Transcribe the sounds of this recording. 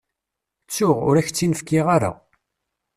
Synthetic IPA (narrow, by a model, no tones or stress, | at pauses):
t͡sːʊʁʊ̰ɾæçt͡sːinəfkːiʁaɾa̰